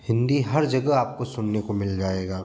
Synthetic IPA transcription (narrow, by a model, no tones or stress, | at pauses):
hɪ̃nd̪iɦɐɾd͡ʒɐɡəɦaːp̚kosʊnnekomɪld͡ʒaːeːɡaː